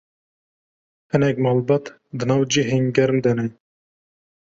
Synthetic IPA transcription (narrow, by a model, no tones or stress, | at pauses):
hɨnɛk̚mɑːlbɑt̪ | d̪ɨnɑːwd͡ʒiɦeŋɡɛɾmd̪ɛnɛ